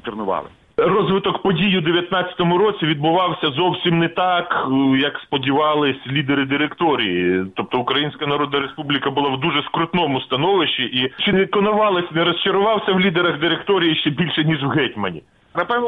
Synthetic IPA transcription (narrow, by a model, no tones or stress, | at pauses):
tʲɪrnʊʋɑ̰lˠɪ̰ | rɔzʋɪt̪ɔkpɔdʲijʊd̪eʋʲjɐt̪nɑt͡sʲɐ̥t̪ɔmʊɾɔt͡sʲiʋʲid̪̚bʊʋɑwsʲɐzɔwsʲimnɛt̪ɑkjɐkspɔdʲiʋɑlˠɪsʲlʲid̪eɾɪd̪ɪɾekt̪ɔɾʲijit̪ɔp̚t̪ɔʊkɾɐjinʲsʲkɐnɐɾɔd̪̚nɐɾespublʲikɐbʊlˠɑwd̪uʒɛskɾʊt̪nɔmʊst̪ɐnɔʋɪʃt͡ʃiʔit͡ʃɪnkɔnɐʋɑlˠɪsʲnɛɾɔst͡ʃɐɾʊʋɑwsʲɐwlʲid̪eɾɐɣd̪ɪɾekt̪ɔɾʲijiʃt͡ʃɛbʲilʲʃɛnʲiʒwɦɛtʲmɐnʲḭ | nɐpɛn